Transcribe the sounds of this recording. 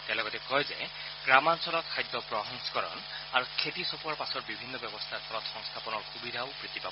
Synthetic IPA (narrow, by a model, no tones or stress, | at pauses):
t̪ɛalɔɡɔtɛkɔjzḛ | ɡɹamansɔlɔt̚kʰajd̪ːɔpɹɔɦɔŋsɔ̥kɔɹɔ̰n | aɹukʰet̪isopuaɹpasɔɹbibʱinːɔbjɔbɔst̪ʰakʰɔlɔt̪xɔŋst̪ʰapɔnɔɹxubid̪ʱaopɹit̪ipabɔ